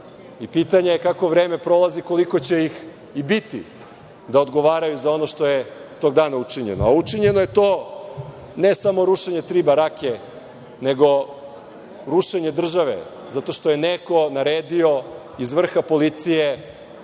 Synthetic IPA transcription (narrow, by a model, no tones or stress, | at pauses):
ipit̪aɲeekako̞ʋɾeːme̞pɾo̞lˠaziko̞liko̞t͡ɕe̞ix | ibit̪ḭ | d̪aod̪ɡoʋaːɾajuzao̞no̞ʃt̪o̞jet̪o̞ɡ̚d̪aːnaut͡ʂiɲḛnoaut͡ʂiɲe̞no̞je̞t̪oː | nesamo̞ɾuʃeɲe̞t̪ɾiːbaɾake | ne̞ɡo̞ | ɾuʃeɲed̪r̩ʒaʋḛ | zat̪o̞ʃt̪o̞je̞neko̞naɾeːd̪io̞ | izʋr̩xapo̞lit̪sije